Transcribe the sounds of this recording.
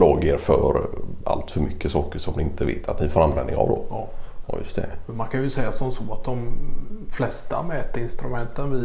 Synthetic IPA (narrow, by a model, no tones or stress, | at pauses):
loːɡeɾfœɾa̰lt̪fœɾmʏkːəsɑːkəʂɔmd̪ɪɪnt̪ʰəvḛːt̪ʰat̪nɪfoːɾanvɛ̰nd̪ɪ̰ŋa̰vd̪ɔ̰ | jɵ̰st̪ʰɛmɛmankʰanjɵsɛjːasɔmsɔːat̪̚d̪ɔmflɛst̪amɛːt̪əɪnst̪ɾɵmɛnt̪ənvɪ